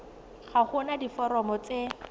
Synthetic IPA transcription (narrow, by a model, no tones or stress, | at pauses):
χaχʊnadifɔɾɔmɔt͡se